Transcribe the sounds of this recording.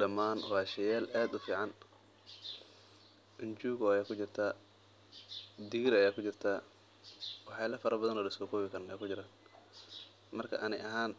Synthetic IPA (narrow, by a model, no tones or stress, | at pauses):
ɖɐmːaːnwɑːʃɐjɛːlʔaːd̪ʊfiːʕɑn | ʔɪnt͡ʃuːɣɔɐjaːkʰʊt͡ʃɪrt̪ʰaː | d̪ɪɣɪɾɐjaːkʰʊt͡ʃɪrt̪ʰaː | wɑħjaːlɐfɐɾʔɐbɐðɐnɔːlɐsɔːkʰɔːβɪkʰɐrnja̰ːkʊt͡ʃɪɾaːn | mɐrkʰɐ̰ʔɐnɪʔɐɦaːn